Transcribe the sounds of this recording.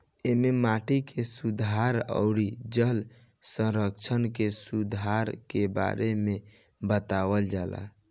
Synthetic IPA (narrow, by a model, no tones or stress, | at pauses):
ememaʈikʰesud̪ʱaɾə̰ʊɽid͡ʒəl | sə̃ɾəkt͡ʃʰənkesud̪ʱaɾkeba̰ɾeme | bət̪aʋəld͡ʒala̰